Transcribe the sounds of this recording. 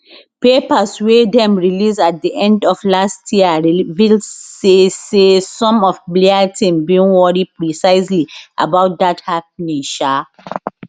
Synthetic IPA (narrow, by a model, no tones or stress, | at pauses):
pepaswedɛ̃mɹilisat̚diʔɛ̃ndɔflastʰjiɹivilsesesɔ̃mɔfbleatʰĩmbiĩnwɔɹipɹisaɪsliʔa̰baʊt̚dathap̚nĩŋʃa